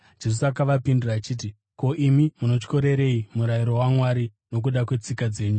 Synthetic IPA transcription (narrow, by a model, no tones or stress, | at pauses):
d͡ʒ̥e̞s̬uakaʋapinduraːt͡ʃiːt̬i | ko̞ʔimimuno̞t͡ʃko̞ɾe̞ɾe̞imuɾaiɾo̞wamwaɾi | no̞k̬uɗakwe̞t͡sikad͡ze̞ːɲu